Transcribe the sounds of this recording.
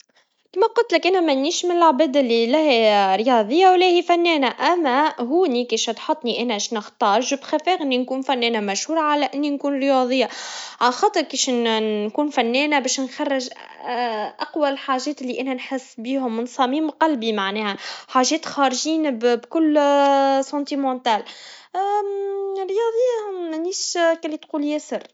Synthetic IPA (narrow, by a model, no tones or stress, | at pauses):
kiːmæqʊlt̪lɪkʔænæmænːiːʃmɪnɪlʕabɛːd̪ɪlːilæhɾjɑːðˤəjːawlæhifænːɛːnæʔæmːæɦuːnikiːʃhɑt̪ħɑt̪ˤːniʔæːnæʃnəxt̪ɑːɾʒbxæfɛːɣɪninkuːnfænːɛːnæmæʃhuːɾˤɑʕalæʔɪnːinkuːnɾəjɑðˤɨjːaʕalxɑːt̪ˤəɾkiːʃkuːnfænːɛːnæbɛːʃnxɑrˤːɪʒ | ʔaqwalħaːʒɛːt̪ɪlːiʔænænħɪsːbiːhʊmːnsˤɑːmiːmqɑlbimaʕnɛːhæħaːʒɛːt̪xɑːɾʒiːnbbkʊlː | sɑ̃ːnt̪imɑ̃t̪æl | ɾjɑðˤəjːaæniːʃkælːit̪quːljæsər